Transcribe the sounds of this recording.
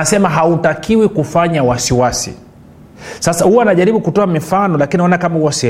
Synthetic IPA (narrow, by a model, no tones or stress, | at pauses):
asɛmaɦautakiwikufaɲawasiwasḭ | sasahuwanaʄaɾiɓukutɔamifanɔlakiniɔnakamahuwasi